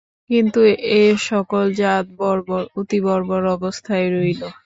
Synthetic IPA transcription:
kint̪ueʃɔkold͡ʑat̪̚bɔɾboɾut̪ibɔɾboɾɔbost̪ʰaeɾojlo

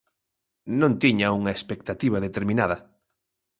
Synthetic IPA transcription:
nõnt̪iɲauŋaespek̚t̪at̪iβ̞aðet̪eɾmĩnaðɐ

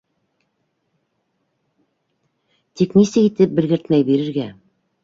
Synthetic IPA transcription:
t̪iknisɘkit̪ɘp̚bɘ̆lɡɘ̆ɾt̪mæjbiɾɘ̆ɾɡæ

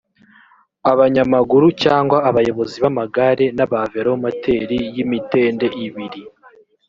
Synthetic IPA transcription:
aβaɲamaɡuɾucaːŋɡwaːβajo̞βo̞ziβamaɡaɾe̞naβaveɾaomatʰe̞ɾijimite̞ːnde̞ʔiβiɾi

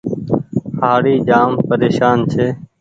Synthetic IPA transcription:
haːɽiːd͡ʒaːmpəɾeːʃaːnt͡ʃʰeː

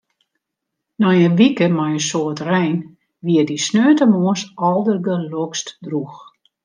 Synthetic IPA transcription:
nɔjəʋikəmɔjəsoətrɛjn | ʋiədisnøːtəmoəsɔlˠdərɡəlokstdrux

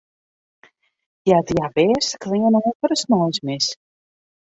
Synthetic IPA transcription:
djadjabɛːsklɪɲənɔfɔɾəsnɔjsmɪs

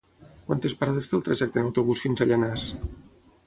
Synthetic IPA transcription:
kwant̪espaɾaðest̪elˠt̪ɾaʒɛk̚t̪enawt̪oβusfinzaʎanas

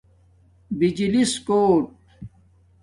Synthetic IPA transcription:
bid͡ʑiliskoːʈ̚

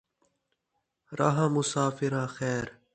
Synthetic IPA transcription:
ɾʔa̰ɦãːmʊsaːfiɾãːxɛːɾ

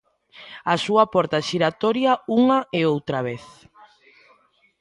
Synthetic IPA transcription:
asuapɔɾt̪aʃiɾat̪ɔɾjauŋɐeowt̪ɾaβ̞eθ

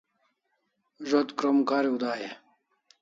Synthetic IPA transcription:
ʒot̪kɾomkaːɾiud̪aːje

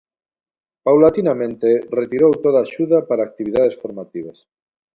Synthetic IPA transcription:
pawlat̪inamẽnt̪eret̪iɾowt̪oðaːʃuðapaɾaːk̚t̪iβ̞iðaðesfoɾmat̪iβ̞as

